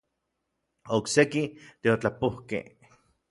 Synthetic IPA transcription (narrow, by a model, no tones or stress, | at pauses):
oksekit̪eot͡ɬapohkḛh